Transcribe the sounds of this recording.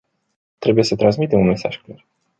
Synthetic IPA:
t̪ɾe̞buje̞sət̪ɾans̬mit̪e̞mume̞sa̰ʒklar

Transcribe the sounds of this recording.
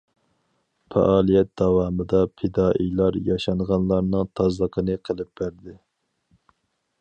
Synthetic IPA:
fɛ̰ʔɑːlˠijɛt̪̚d̪ɑwɑːmɨd̪ɑpʰɪd̪ɑːʔḭjlˠɑɾjɑʃɑɴʁɑnlˠɑɾnɨŋt̪ʰɑzlˠəqʰənɨqʰəlˠɨp̚b̥æɾd̪ɪ

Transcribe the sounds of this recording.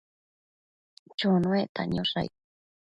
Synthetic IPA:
t͡ʃonũet̪a̰ɲoʂa̰jk

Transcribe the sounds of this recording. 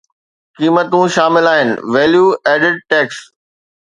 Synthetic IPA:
kiːmət̪ũʃaːmɪlaːɦɪnɪ̰̆ʋeːljuːɛːɖɪɖ̚ʈɛːks

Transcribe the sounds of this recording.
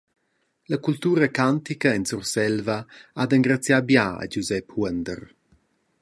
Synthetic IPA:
lɐkult̪uːɾəkant̪ikɐɛnsursɛlvɐad̪əŋɡɾat͡sjabjaa̰d͡ʒuzɛphuənd̪ər

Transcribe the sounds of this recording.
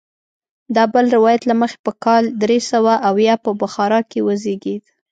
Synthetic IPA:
d̪ɑbəlɾɪwɑjat̪laməxe̥pəkɑld̪ɾesəwaʔawjɑpəbaxɑɾɑkewəzeɡed̪

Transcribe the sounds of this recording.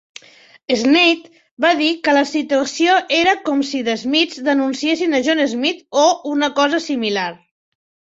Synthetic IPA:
əznet̪ | baðikələsit̪uəsioʔeɾəkɔmsiðəzmid͡zd̪ənunsiesinəʒonezmit̪ounəkɔzəsimilaɾ

